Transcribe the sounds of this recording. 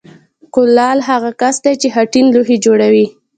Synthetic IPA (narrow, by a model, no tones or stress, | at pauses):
kʊlːɑlɦaɣakasd̪ajt͡ʃeɦaʈinluɦed͡ʒoɽawi